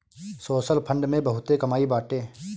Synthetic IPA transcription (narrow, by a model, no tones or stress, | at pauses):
soːsəlpʰə̃ɳɖmẽbɐɦʊt̪ekɐmaːibaːʈeː